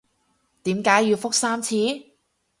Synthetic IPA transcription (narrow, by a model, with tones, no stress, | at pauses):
t̪iː˨˥mkaː˨˥jːyː˨˧wfʊ˥k̚saː˥mt͡sʰiː˨˥